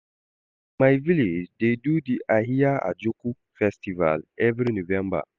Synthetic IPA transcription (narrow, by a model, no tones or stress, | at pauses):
majviled͡ʒdedudiʔaɦijaa̰d͡ʒoku | fɛstiva̰lɛvɾinovɛ̃mba̰